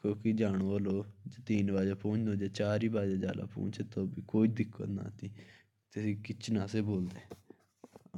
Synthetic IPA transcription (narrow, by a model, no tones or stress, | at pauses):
koːkid͡ʒaːɽ̃oːəloːd͡ʒat̪iːnbaːd͡ʒaːpõːt͡ʃd̪oːd͡ʒaːt͡ʃaːɾiːbaːd͡ʒaːd͡ʒa̰ːla̰ːpõ̰ːɲt͡ʃeːt̪oːbiːkoːid̪ɪkʰːə̰na̰ːt̪iː | t̪esĩːkɪt͡ʃʰnaːseːboːld̪eː